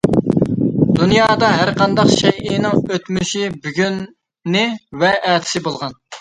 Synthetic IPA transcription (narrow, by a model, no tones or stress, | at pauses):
d̪unjɑːd̪ɑɦæɾqɑnd̪ɑqʃɛjɪnɪŋøt̪myʃibyɡʲynː | ɪvɛʔæːt̪ʰɪ̥sɪbolˠʁɑn